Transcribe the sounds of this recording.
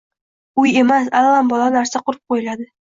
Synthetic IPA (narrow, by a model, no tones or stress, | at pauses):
ʊje̞masalːambɒlˠɑnaɾsaqʊɾɪp̚qʰojɪlad̪ɪ